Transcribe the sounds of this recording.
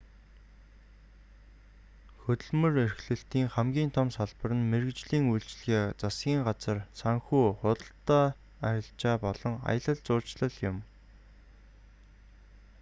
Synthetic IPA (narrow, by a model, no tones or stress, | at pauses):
xɵt̪ɵ̆ɮmɵ̆rerxɮɘ̆ɬt̪iːŋχæmɡʲiːnt̪ʰɔmsaɮpə̆rə̆nmerɘ̆kt͡ɕɮiːŋujɮt͡ɕɮxeːt͡sasɡʲiːŋɢat͡sə̆rsaŋxuːχʊt̪ə̆ɬt̪aː | æɾʲɪ̆ɬt͡ɕaːpɔɮɞ̆ŋa̰jə̆ɮə̆ɮt͡sʊːt͡ɕɮə̆ɮjʊm